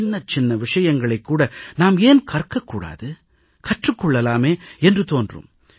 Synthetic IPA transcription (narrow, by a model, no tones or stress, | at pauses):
nːɐt͡ʃɪnːɐʋɪʂɐjɐŋɡɐɭɐɪkːuːɽɐnaːmeːnkʰɐrkːɐkːuːɽa̰ːðɯ | kɐʈrɯkːɔɭːɐlaːmeːɛndrɯt̪oːndrɯ̰m